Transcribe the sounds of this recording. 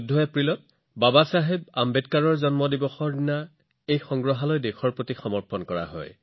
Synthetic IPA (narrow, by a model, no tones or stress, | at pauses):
dʱːɔjapɹilɔt̚ | babasaɦebambetkaɹɔɹzɔnmɔdibɔxɔɹdina | ejxɔŋɡɹɔɦalɔjdekʰɔɹpɹotixɔmɔɹpɔnkɔɹa̰ɦɔ̰j